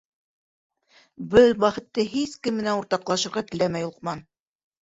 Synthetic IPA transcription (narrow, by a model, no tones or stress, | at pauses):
bɘlwæχɘ̆t̪ːɘɦiskɘmːɘ̆nænuɾt̪ɑqlˠɑʃɤ̆ɾʁɑt̪ɘ̆læmæjulˠqmɑn